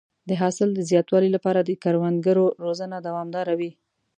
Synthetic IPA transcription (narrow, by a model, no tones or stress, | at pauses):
d̪əɦɑsɪld̪əzjɑt̪wɑlilapɑɾad̪əkaɾwand̪̚ɡəɾoɾozənad̪awɑmd̪ɑɾawi